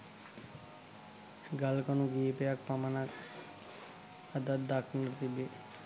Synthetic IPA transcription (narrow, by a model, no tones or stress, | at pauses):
ɡalkɔnuɡiepejak̚pamanak | ad̪ad̪d̪akʰnəlt̪ibe